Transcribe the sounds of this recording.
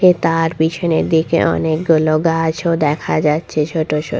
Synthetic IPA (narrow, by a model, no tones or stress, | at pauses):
ket̪aɾbiʃɔneɾd̪ikḛʔɔ̰nek̚ɡuloɡat͡ɕʰod̪ɛkʰad͡ʑatːɕʰet͡ɕʰoʈot͡ɕʰo̰